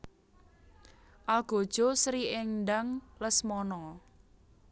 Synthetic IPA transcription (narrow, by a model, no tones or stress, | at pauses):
ʔalɡ̥o̤d̥ʒ̥ɔ̤sɾiɪŋɳɖaŋləsmɔnɔ